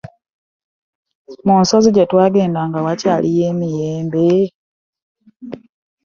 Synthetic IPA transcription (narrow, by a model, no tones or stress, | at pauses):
muːnso̞ziɟetwaːɡe̞ːndaŋɡawacaːlʔije̞ːmijeːmbe